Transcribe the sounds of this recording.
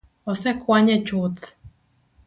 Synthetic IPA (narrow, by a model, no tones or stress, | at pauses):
ɔsɛkwaɲɛt͡ʃʊt̪